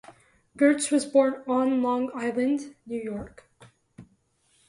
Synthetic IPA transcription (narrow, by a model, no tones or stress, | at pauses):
ɡ̥ɜ˞swʌzbɔɹnə̃nlɔ̃ŋaɪlˠɨ̃ndnjʉjɔɹk